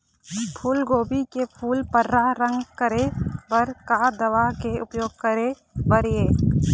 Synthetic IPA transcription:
pʰuːlɡoːbikepʰuːlpəɾːaɾə̃ŋɡkəɾebəɾkad̪əʋakeʔʊpjoːɡ̚kəɾe | bəɾijeː

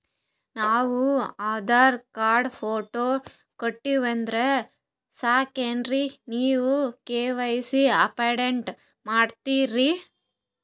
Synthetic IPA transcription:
naːʋuaːd̪aːɾkaːɾɖpʰoːʈoː | koʈːiʋɐnd̪ɾe | saːkenɾiniːʋukeːʋɐjisiɐ̰pɐjɖeɳʈ | maːɖt̪iːɾi

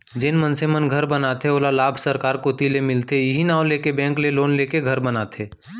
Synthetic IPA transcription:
d͡ʒɪnmənsemənɡʱəɾbənat̪ʰeoːlalaːbʱsəɾkaːɾkot̪ilemɪlt̪ejɪɦinaːõleːkebɛ̃ːŋkleloːnleːkeɡʱɐɾbənaːt̪ʰeː

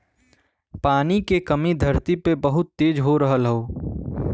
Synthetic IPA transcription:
paːnikekɐmid̪ʱɐɾt̪ipebɐɦʊt̪ːeːd͡ʒɦoɾɐɦəlɦoː

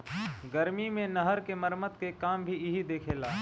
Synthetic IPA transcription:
ɡɐɾmimẽnɐɦəɾkemɐɾmət̪kekaːmbʱiɪɦid̪eːkʰeːlaː

